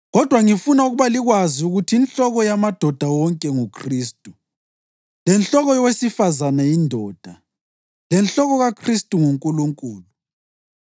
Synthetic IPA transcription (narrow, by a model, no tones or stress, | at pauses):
ɣɔd̥ʱwaŋifunauɣuβaliɣwaziuɣutʰiːnɬɔɣɔjamad̥ʱɔd̥ʱawɔŋkʼɛŋukʰriːstʼu | lɛnɬɔɣɔjɔwesifazanajindʱɔːd̥ʱa | lɛnɬɔɣɔɣakʰristʼuŋuŋkʼuluŋkʼuːlu